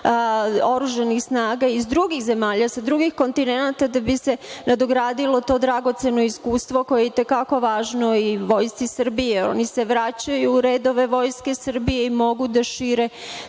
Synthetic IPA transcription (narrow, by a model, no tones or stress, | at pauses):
o̞ɾuʒanixsnaːɡaizd̪ɾuɡixze̞maːʎasad̪ɾuɡixko̞nt̪ine̞nat̪ad̪abise̞nad̪o̞ɡɾaːd̪ilo̞t̪o̞ːd̪ɾaɡo̞t̪se̞no̞iskuːst̪ʋo̞ko̞je̞jit̪e̞kako̞ʋaːʒno̞iʋo̞jst̪sisr̩bijeo̞̰nise̞ʋɾat͡ɕajuːɾe̞ːd̪o̞ʋe̞ʋo̞jske̞sɨr̩bijeimo̞ɡud̪aʃiːɾe̞